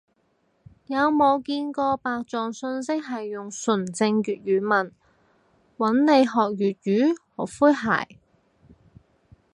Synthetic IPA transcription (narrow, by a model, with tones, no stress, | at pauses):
jɐ˨˧wmo˨˧kiː˧nkɔː˧paː˨k̚t͡sɔː˨ŋsɵ˧nsɪ˥k̚ɦɐ˨jːʊ˨ŋsɵ˨˩nt͡sɪ˧ŋjyː˨t̚ɥyː˨˧˥mɐ˨˩n | wɐ˨˥nle˨˧jɦɔː˨k̚jyː˨t̚jyː˨˥hɔ̰ː˨˩kfuː˥jɦa̰ː˨˩j